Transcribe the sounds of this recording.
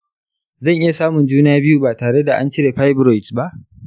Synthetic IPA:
zɐ˦˨ŋʔɪ˦ja˨saː˦mʊ˨nd͡ʒuː˦na˦a˦bɪ˦ju˦baː˨taː˨ɽe˦da˨ʔa˦nt͡ʃɪ˦ɽe˨ɸa˦jbɾɔ˨jtba˦ʔ

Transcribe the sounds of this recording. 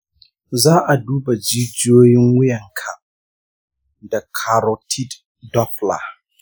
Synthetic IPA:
zaː˦ʔa˨duː˦ba˨d͡ʒiː˦d͡ʒɪ˦oː˦jɪ˦ŋwʊ˦jɐ˨ŋkʰa˨ | da˨kʰa˨ɾɔ˨tʰi˦d | dɔ˦ɸla̰˨

